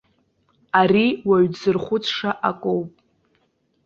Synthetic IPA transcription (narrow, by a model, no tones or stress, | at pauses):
aɾiwaɥd͡zɨrχʷʊt͡sʰʂaʔakʷʼowpʼ